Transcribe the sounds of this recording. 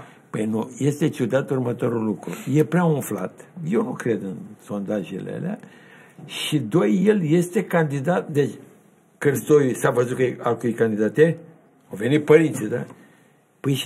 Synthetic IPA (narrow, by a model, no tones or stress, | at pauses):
pəjnuje̞st̪e̞t͡ʃud̪at̪urmət̪o̞ɾulːukɾuje̞pɾeaunfla̰t̪je̞wnukɾe̞d̪ɨnso̞nd̪aʒḛlḛlea̰ | ʃid̪o̞jːe̞lje̞st̪e̞kand̪id̪at̪d̪et͡ʃʲ | kərst̪ojusavəzukealkujkand̪id̪at̪e | awve̞nit̪̚pəɾint̪sʲid̪a | pəjʃ